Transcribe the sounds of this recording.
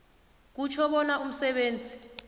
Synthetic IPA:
k̬ut͡ʃʰɔɓɔnaʔum̩sɛɓeːnd͡zʱi

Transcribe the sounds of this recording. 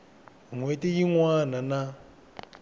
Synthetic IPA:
ŋwetejiŋwanana

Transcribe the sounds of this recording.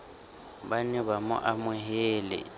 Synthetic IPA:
banɪβamʊ̰ʔamʊɦeːlɪ̰

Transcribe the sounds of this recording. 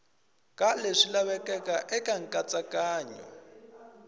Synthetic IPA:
kaleʂilaβɛkʼɛkʼaʔɛkʼaŋ̩kʼat͡sʼakaːɲɔ̰

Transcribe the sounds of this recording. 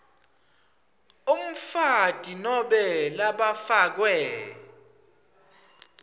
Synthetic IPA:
um̩fad̥ʱʼinɔɓɛlaɓafak̬wɛ

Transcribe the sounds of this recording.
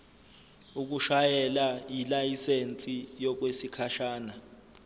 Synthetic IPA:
uk̬uʃajɛlajilajisent͡sʼijɔk̬wesikʰaʃaːna

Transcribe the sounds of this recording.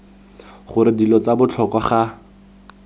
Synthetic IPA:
χʊɾɪdilɔt͡sabʊt͡ɬʰɔkɔχa

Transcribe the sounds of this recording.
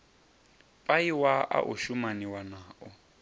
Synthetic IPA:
pʼaiwaʔa̰ʔṵʃumaniwanaːʔɔ

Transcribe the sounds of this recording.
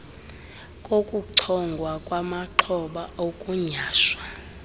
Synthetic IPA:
kʼokʼuǃʰɔŋɡʱwakʼwamaǃʰɔɓaokʼuɲaːʃwa

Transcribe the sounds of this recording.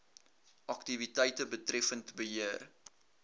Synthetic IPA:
ʔɐktivitəjtəbətrɛfəntbəɦiər

